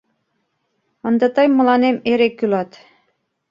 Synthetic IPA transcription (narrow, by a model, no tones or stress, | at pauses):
ɤ̆nd̪ɑt̪ɑjmɤ̆lˠɑnemeɾekːylɑt̪